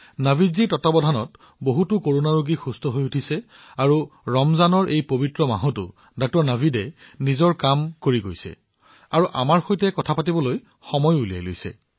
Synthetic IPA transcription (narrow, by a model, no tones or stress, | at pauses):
nabʱizitɔtabɔdʱanɔt | boɦutʊkoɹonaɹoɡixustɔɦojutʰisɛ | aɹuɹɔmzanɔɹʔejpobitɹɔma̰ɦɔtʊ̰ | dɔk̚tɔɹnabʱidɛnizɔɹkamkoɹiɡojsɛ̰ | aɹuʔa̰maɹxojtɛkɔtʰapatibɔloj | xɔmɔjulija̰jlo̰jsɛ̰